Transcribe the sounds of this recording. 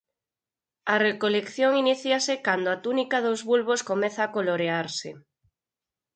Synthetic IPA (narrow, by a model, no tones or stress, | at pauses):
ɐrekolekθjoŋiniθjiasekand̪oat̪unikaðozβulβoskomɛθaːkoloɾeaɾsɪ